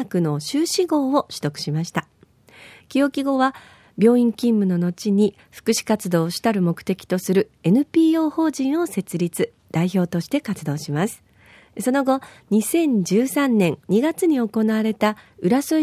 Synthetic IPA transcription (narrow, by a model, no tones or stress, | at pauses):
kɯ̟no̞ɕɨːɕiɡo̞ːo̞ɕɨ̥t̪o̞kɯ̟̥ɕimaɕi̥t̪a | kʲijo̞kʲiɡo̞βa | bʲjo̞ːĩŋkʲĩmːɯ̟no̞no̞t͡ɕiɲ̟i | ɸɯ̥kɯ̟ɕi̥kat͡sɨd̪o̞ːɕi̥t̪aɾɯ̟mo̞kɯ̟̥t̪e̞kʲi̥t̪o̞sɨɾɯ̟ | e̞nɯ̟pʲiːo̞ːho̞ːʑĩɰ̃o̞se̞t͡sɨɾʲit͡sɨ | d̪̥aiço̞ːt̪o̞ɕi̥t̪e̞kat͡sɨd̪o̞ːɕimasɨ̥ | so̞no̞ɡo̞ɲ̟isẽ̞ɲ̟d͡ʑɨːsãnːẽ̞ŋɲiɡat͡sɨɲ̟io̞ko̞naβaɾe̞t̪aɯ̟ɾasɨ